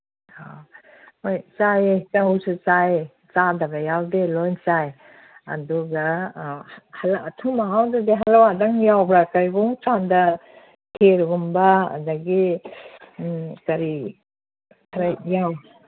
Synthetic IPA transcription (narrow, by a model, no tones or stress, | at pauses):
ha | ojt͡ʃajet͡ʃahusut͡ʃaje | t͡ʃadaɡajawdelɔjnt͡ʃaj | ɐ̰duɡa | halaːtʰumaɦawdadeɦalawadaŋjawbɾakajɡɔŋt͡ʃanda | tʰeɾɡɔmbaa̰daɡi | kaɾi | kʰaɾajjaw